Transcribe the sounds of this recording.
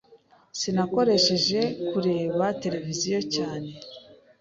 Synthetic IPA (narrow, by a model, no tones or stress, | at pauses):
sinako̞ɾe̞ʃe̞ʒe̞kuɾe̞ːβate̞ɾe̞vizijo̞caːne̞